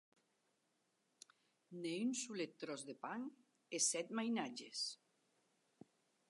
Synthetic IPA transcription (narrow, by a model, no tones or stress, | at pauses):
neynsulet̪ːɾɔzðepaŋ | esɛt̪majnad͡ʒes